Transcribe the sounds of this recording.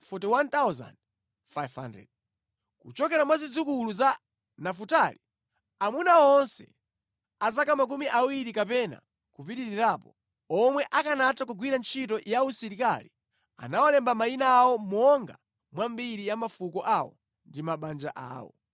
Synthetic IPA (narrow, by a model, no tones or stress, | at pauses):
fɔtiwantawza̰nd | fajva̰ndɛ̰d̚ | kut͡ʃɔkɛɾamwazid͡zukuluza | nafutali | amunaɔnsɛ̰ | azakamak̬umiʔawiɾikapɛna̰ | kupiɾiɾiɾaːpɔ | ɔmwɛʔakanatak̬uɡwiɾant͡ʃʰitɔjausiɾika̰lḭ | a̰nawɔlɛmbamainaːwɔmɔŋɡa | mwambiɾijamafukɔʔawɔ | ndimaɓand͡ʒaʔa̰ːwɔ̰